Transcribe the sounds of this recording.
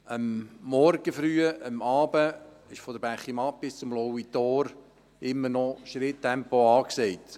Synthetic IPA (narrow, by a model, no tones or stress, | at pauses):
əmːɔɾɡ̥əfɾyːəəmɑːbə | ɪʃfɔd̪əɾb̥æχːimɑp̚b̥ɪst͡sʊmlɔwit̪oːɾ | ɪmːəɾnɔʃɾɪtːɛmpoɑːksɛɪt̪